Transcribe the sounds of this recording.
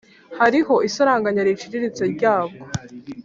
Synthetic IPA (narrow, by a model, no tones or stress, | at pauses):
haɾiho̞ʔisoɾaːŋɡaɲaɾit͡ʃiɾiɾit͡seɾɟaːɡo